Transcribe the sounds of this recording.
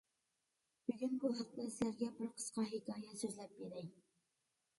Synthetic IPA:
b̥yɡʲynbuɦɑq̚d̪ɛsæɾɡʲɛbɪɾqʰə̥sqɑɦikʰɑːjɛsøzlɛp̚beɾɛj

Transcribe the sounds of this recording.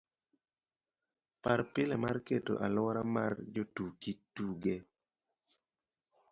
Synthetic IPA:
paɾpɪlɛmarketo̰ʔalɔɾamard͡ʒotukituɡe

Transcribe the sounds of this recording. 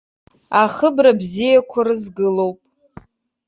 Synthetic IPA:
aχəbrabzijakʷʰarɨzɡɨlo̞wpʼ

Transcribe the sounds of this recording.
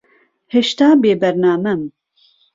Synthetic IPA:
heʃt̪aːbeːbɛɾnaːmɛm

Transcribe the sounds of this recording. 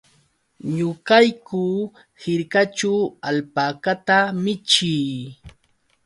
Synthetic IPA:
ɲʊkajkuː | hɪɾkat͡ʃawaʎpakat̪amɪt͡ʃij

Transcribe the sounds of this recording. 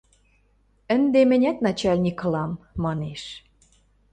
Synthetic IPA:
ə̆nd̪emɘ̆nʲæt̪nɑt͡ɕɑlʲnʲikɤ̆lɑmːɑneʃ

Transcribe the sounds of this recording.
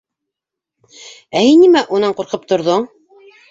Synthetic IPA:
æhinːimæʔunɑɴquɾqɤp̚t̪ŏɾðoɴ

